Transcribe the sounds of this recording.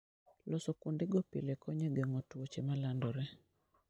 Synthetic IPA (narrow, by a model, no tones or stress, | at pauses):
lɔsɔkundɪɡɔpḭlekɔɲeɡeŋɔtwot͡ʃemalandɔɾɛ